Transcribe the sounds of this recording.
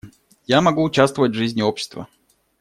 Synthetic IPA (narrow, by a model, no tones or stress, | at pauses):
jamɐɡuːt͡ɕast̪vəvətʲvʐɨzʲnʲɪopɕɪst̪və̰